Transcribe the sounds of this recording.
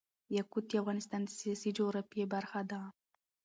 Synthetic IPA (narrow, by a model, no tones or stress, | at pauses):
jakut̪̚ːiafɣɑnɪst̪ɑnd̪əsijasid͡ʒoɾapiebaɾxad̪a